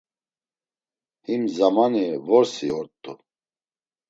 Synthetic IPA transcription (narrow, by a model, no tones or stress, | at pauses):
himzamanivɔɾsiɔɾt̪ʼu